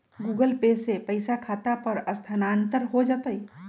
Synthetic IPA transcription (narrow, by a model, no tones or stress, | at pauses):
ɡuɡəlpesepəɪsakʰat̪apəɾəst̪ʰanant̪əɾɦod͡ʒət̪əj